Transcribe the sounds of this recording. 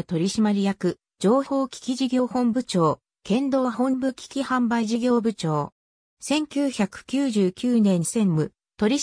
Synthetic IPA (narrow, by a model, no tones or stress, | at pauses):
t̪o̞ɾʲiɕimaɾʲijakɯ̟ | d͡ʑo̞ːço̞ːkʲi̥kʲiʑiɡʲo̞ːhõ̞mbɯ̟t͡ɕo̞ː | kẽ̞nd̪o̞ːɦõ̞mbɯ̟kʲi̥kʲihãmbaiʑiɡʲo̞ːbɯ̟t͡ɕo̞ː | sẽ̞ŋkʲɨːçakɯ̟̥kʲɨːʑɨːkʲɨːnẽ̞ɲːisẽ̞mmɯ̟ | t̪o̞ɾʲi